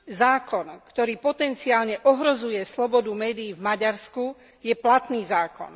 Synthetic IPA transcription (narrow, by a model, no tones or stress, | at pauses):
zaːkɔnkt̪ɔɾiːpɔt̪ɛnt͡siaːlɲɛʔɔɦɾɔzujɛslɔbɔd̪umɛːd̪iːvmaɟaɾsku | jɛplat̪niːzaːkɔ̰n